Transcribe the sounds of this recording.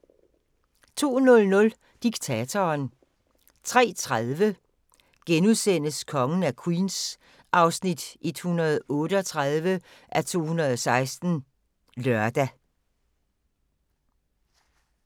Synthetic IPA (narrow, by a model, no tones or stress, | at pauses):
t͡sʰo̝̰ːnɔ̽lnɔ̽l | d̥iɡ̥̚t͡sʰæt͡sʰɒːn | t͡sʰʁɛ̰ːt͡sʰʁað̞ˠʋə | ɡ̥enuðˠsen̰əskʰɒ̽ŋn̩ækʰwiːns | ʔɑ̈ʊsnid̥ʔe̝d̥hunɐð̞̩ˠɔ̽ːdəɒ̽t͡sʰʁaðˠʋəʔæt͡sʰo̝̰ːhunʁɐð̞̩ˠɒsɑ̈ɪsd̥n̩ | lœɐd̥æ